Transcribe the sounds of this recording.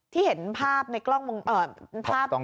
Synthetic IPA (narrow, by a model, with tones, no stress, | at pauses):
t̪ʰiː˥˩he˩˦npʰaː˥˩p̚na˧jklɔ˥˩ŋwo˧ŋʔəː˧˩pʰaː˥˩p̚ɔ˥